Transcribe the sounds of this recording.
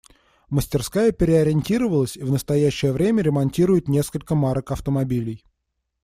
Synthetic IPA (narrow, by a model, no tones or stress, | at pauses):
məsʲtʲɪrskajəpʲɪɾʲɪɐɾʲɪnʲtʲiɾəvəlˠəsʲivnəst̪ɐjæɕːɪjəvɾʲemʲəɾʲɪmɐnʲtʲiɾʊjɪt̪nʲe̞skəlʲkəmaɾəkɐft̪əmɐbʲilʲɪj